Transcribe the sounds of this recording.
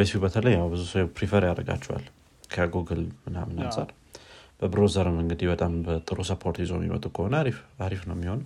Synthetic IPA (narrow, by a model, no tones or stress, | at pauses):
esfibət̪ʰələjːawbɨzusəjpɾifəɾjaɾəɡa̰t͡ʃːɛwa̰l | kʰəjaɡoɡɨlmɨna̰mɨna̰sʼaɾ | b̥əbɨɾozəɾɨmɨŋɡɨd̪ibət̪ʼambət̪ʼɨɾusəpʰoɾt̪izomḭmə̰t̪ʼukʰəho̞nəiaɾifnəwmːiho̞n